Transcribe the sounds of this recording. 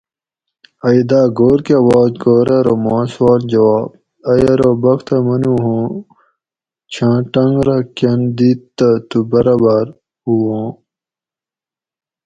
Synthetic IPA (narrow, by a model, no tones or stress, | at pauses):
ɐid̪aːɡoːɾkeɐwaːzɡoːɾɐɾomãːswaːɾd͡ʑɐwaːb | ɐjɐɾobɐkt̪ʰɐmɐnuɦõː | t͡ɕʰãːʈɐŋɡɾɐkɐnd̪iːt̪ːɐt̪ubɐɾabaːɾ | uwõː